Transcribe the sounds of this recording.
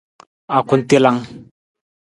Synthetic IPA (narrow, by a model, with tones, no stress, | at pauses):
a˨kʰu˦nt̪i˦la˧ŋ